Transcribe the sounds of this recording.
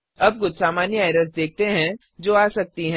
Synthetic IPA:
ɐb̚ɡʊd̪saːmaːnjəaːɪɾəsd̪eːk̚t̪eɦɛ̃ | d͡ʒoːaːsɐk̚t̪iɦɛ̃

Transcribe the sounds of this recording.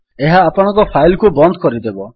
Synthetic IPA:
eɦaːpɔɽ̃ɔ̃ŋkɔpʰajlkubɔnd̪ʱkɔɾid̪ebɔ

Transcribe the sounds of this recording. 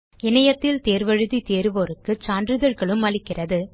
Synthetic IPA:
ɪnɐjɐt̪ːɪlt̪eːɾʋɐɻɯðit̪eːɾɯʋoːɾɯkːɯt͡ʃaːndrɯðɐɻɣɐɭɯmːɐlɪkːɪrɐðɯ

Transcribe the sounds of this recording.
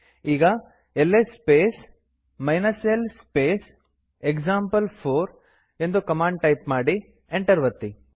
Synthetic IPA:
iːɡɐ | elːespeːs | mɐjnɐselspeːs | ekd͡ʒaːmpɐlpʰoːɾ | e̞nd̪ukɐmaːɳɖ̚ʈɐjpmaːɽi | eɳʈɐɾʋɐt̪ːi

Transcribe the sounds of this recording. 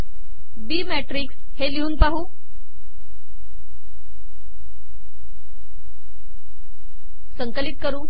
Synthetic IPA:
biːmɛʈɾiːks | heliuːnpaɦuː | səŋkəlit̪̚kəɾũː

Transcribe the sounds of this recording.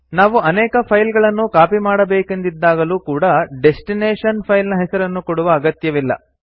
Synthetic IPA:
naːʋuɐnɛːkɐpʰɐjlɡɐɭɐnːukaːpimaːɽɐbeːkend̪id̪ːaːɡɐluːkuːɽɐɖe̞sʈineːʂɐnpʰɐjlnɐɦɛsɐɾɐnːukoɽuʋɐːɡɐt̪jɐʋilːɐ̰

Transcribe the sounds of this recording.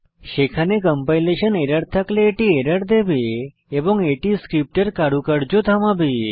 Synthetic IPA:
ʃekʰanekəmpajleʃəneɾəɾt̪ʰakleːʈieɾəɾd̪ebe | ebɔŋɡeʈiskɾip̚ʈəɾkaɽukəɽd͡ʒot̪ʰamãbe

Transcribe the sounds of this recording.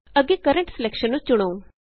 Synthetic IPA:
əɡekəɾə̃ɳʈsɪlɛkʃənːũt͡ʃʊɽ̃oː

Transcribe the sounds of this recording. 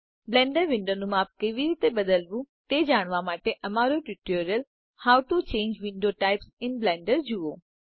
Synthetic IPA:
blɛ̃ːɳɖəɾʋɪ̃ɳɖonũmaːp̚kɐʋiɾiːt̪eɓɐd̪əlbũt̪eːd͡ʑaːɽ̃ʋamaːʈeʔɐmaːɾoʈiʈoːɾijəl | haːʊʈut͡ɕẽːɲd͡ʒʋɪ̃ɳɖoʈaːɪpsɪnblɛ̃ːɳɖəɾd͡ʑuoː

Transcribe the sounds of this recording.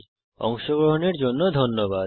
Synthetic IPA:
ɔ̰ŋʃoɡɾoɦoneɾd͡ʑonːod̪ʱonːoba

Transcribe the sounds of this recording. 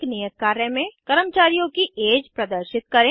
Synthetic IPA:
knijət̪̚kaːɾəmẽkɐɾəmt͡ʃaːɾijõkieːd͡ʒpɾɐd̪əɾʃɪt̪̚kɐɾẽː

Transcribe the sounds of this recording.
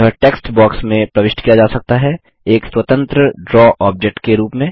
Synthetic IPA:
əʈeːksʈbɔːksmẽpɾɐʋɪʃʈkijad͡ʒaːsɐk̚t̪aɦɛ | eːkswɐt̪ə̃nt̪ɾəɖɾɔːʔɔːp̚d͡ʒek̚ʈkeɾuːpmẽ

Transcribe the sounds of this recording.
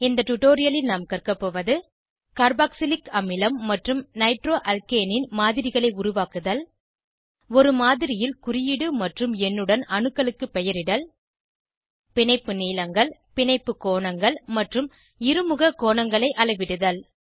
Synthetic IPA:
ɪnd̪ɐʈʊʈːoːɾɪjɐlɪlnaːmkɐrkɐpːoːʋɐðɯ | kɐɾbaːksɪlɪkɐmɪlɐmːɐʈrɯmnɐɪʈroːʔɐlkeːnɪnmaːðɪɾɪɣɐɭɐɪʊɾʊʋaːkɯðɐl | ɔɾɯmaːðɪɾɪjɪlkʊrɪjɪɽɯmɐʈrɯmɛnːɯɽɐnɐɳɯkːɐɭɯkːɯpːɛjɐɾɪɽɐl | pɪnɐɪpːɯniːlɐŋɡɐɭpɪɳɐɪpːɯkːoːɳɐŋɡɐɭmɐʈrɯm | ɪɾɯmɯɣɐkːoːɳɐŋɡɐɭɐɪʔɐɭɐɪʋɪɽɯðɐl

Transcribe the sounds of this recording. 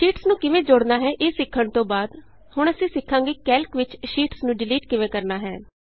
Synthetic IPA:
ʃiːʈsnũːkɪʋẽːd͡ʒʊɽnaːɦɛːʔɪsɪkʰːəɳt̪õːbaːd̪ | hʊɳ̃əsĩːsɪkʰːãːɡeːkɛːlkʋɪt͡ʃʃiːʈsnũːɖɪliːʈkɪʋẽːkəɾnaːɦɛ̰ː

